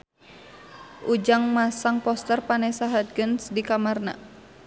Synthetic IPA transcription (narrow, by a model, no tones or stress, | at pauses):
ʔud͡ʒaŋmasaŋpɔst̪ərpanɛsaɦat̪̚ɡənsdikamarna̰